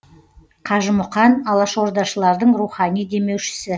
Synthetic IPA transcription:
qʰɑʒəmʊqɑnɑlˠɑʃwoɾd̪ɑʃəlˠɑɾd̪əɴruχɑnijd̪e̞me̞wʃɪ̥sɪ

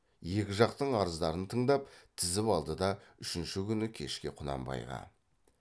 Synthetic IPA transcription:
je̞kʲɪʒɑqt̪əɴɑɾəzd̪ɑɾənt̪ʰəɴd̪ɑpt̪ʰɪzɪpɑlˠd̪əd̪ɑʏʃɪnʃɪkʲʰʏnɪkʲʰe̞ʃkʲe̞qʰʊnɑ̰mbɑ̰jʁɑ̰

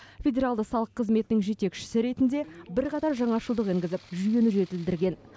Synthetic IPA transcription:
fʲe̞dʲe̞ɾalˠd̪əsɑlˠəqʰːəzme̞t̪ɪnɪŋʒe̞t̪e̞kʃɪ̥sɪɾe̞t̪ɪnd̪e̞bɪɾqʰɑt̪ɑɾʒɑɴɑʃəlˠd̪əqiŋɡʲɪzɪpʒyje̞nɪʒe̞t̪ɪld̪ɪɾɡʲe̞n

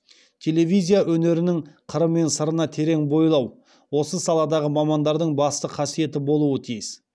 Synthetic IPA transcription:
t̪ʲʰe̞lʲe̞vijzʲijaʔɵne̞ɾɪnɪŋqʰəɾəmːe̞nsəɾənɑt̪ʰe̞ɾe̞ŋbo̞jlˠɑw | wo̞səsɑlˠɑd̪ɑʁəmɑmɑnd̪ɑɾd̪əɴbɑst̪əqʰɑsije̞t̪̬ɪbo̞lˠuət̪ʰijɪs

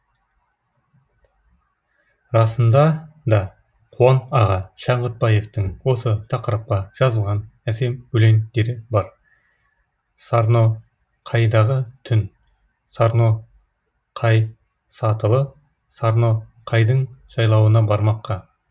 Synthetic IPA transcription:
ɾɑsənd̪ɑd̪ɑ | qʰuɑnɑʁɑʃɑɴʁət̪̚bɑje̞ft̪əŋwo̞sət̪ʰɑqəɾəp̚qɑʒ̥ɑzəlˠʁɑnæse̞mbɵle̞nd̪e̞ɾɪbɑɾ | sɑɾno̞ | qʰɑjd̪ɑʁət̪ʰʏn | sɑɾno̞ | qʰɑj | sɑt̪əlˠə | sɑɾno̞qʰɑjd̪əɴʒɑjlˠɑwənɑbɑɾmɑqːɑ

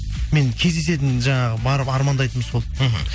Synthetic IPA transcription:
me̞nkʲʰe̞zd̪e̞s̬e̞t̪̬ɪnʒɑɴɑʁəbɑɾəpɑɾmɑnd̪ɑjt̪əmso̞lˠ

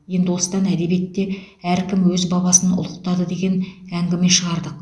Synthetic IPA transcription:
je̞nd̪ɪwo̞sə̥t̪ɑnæd̪e̞bijet̪ːe̞ | æɾkʲɪmwɵzbɑβɑsənʊ̰lˠəq̚t̪ɑd̪əd̪e̞ɡʲe̞næŋɡʲɪme̞ʃəʁɑɾd̪əq̚

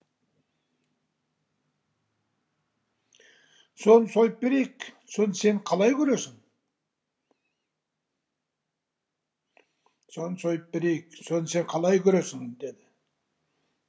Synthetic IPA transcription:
so̞nəso̞jəp̚be̞ɾe̞jkso̞nəse̞ɴqʰɑlˠɑjkʲʰɵɾe̞sɪŋ | so̞nsojəp̚beɾe̞jɪkso̞nəse̞ɴqʰɑlˠɑjkʲʰɵɾe̞sɪŋd̪e̞d̪ɪ

